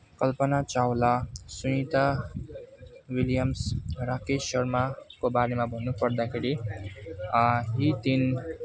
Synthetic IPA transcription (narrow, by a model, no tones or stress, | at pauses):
kʌlpʌnat͡sawlasunit̪a | wiljʌmsrakesʌrmakobaɾemabʱʌnːupʌrd̪akʰeɾi | ɦit̪in